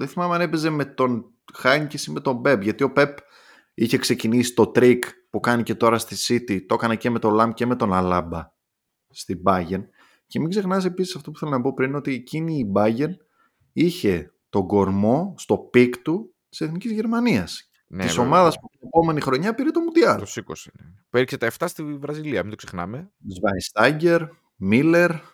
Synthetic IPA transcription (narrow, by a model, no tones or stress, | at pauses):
ðeθimɐmeɐnepe̞ze̞me̞t̪o̞n | xɐɲcesime̞t̪o̞mbe̞pʝɐt̪io̞pe̞p | içekse̞cinisi̥t̪o̞t̪ɾikpukɐnicet̪o̞ɾɐst̪isit̪it̪okɐnece̞me̞t̪o̞lɐmce̞me̞t̪o̞nɐlɐbɐ | st̪ibɐʝe̞n | ce̞miɡze̞xnɐs̬episisɐft̪o̞pu̥θelonɐpo̞pɾino̞t̪ieciniːbɐʝe̞n | içe̞ | t̪o̞ɡo̞ɾmo̞st̪o̞pikt̪u | t̪i̥se̞θnicizʝe̞ɾmɐniɐs | niso̞mɐðɐspuine̞po̞me̞nixɾo̞ɲɐpiɾet̪o̞mut̪iɐɾosikosinepueɾçset̪ɐeft̪ɐst̪ivɾɐziliɐmit̪oksexnɐ̰mezvɐjst̪ɐɟe̞ɾ | mile̞ɾ